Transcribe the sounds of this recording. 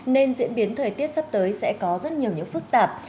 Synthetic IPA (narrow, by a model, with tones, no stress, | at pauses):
ne˧nzḭ˧˥ənɓi˨˦ənt̪ʰəː˨˩jt̪i˦˥ət̚sa˦˥p̚t̪əː˨˦jsɛ̰˧˥kɔ˨˦zə˦˥t̚ɲi˨˩əwɲɨ̰˧˥ŋfɨ˦˥k̚t̪aː˨˩p̚